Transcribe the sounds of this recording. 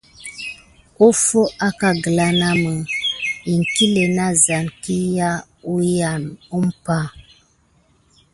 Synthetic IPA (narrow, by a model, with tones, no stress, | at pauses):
u˦fo˦ʔa˦ka˨ɡə˨la˦na˦mə˨i˨ŋ˨ki˦le˨na˦za˨nki˦ja˦ | u˦ja˨nu˦m˦pa˦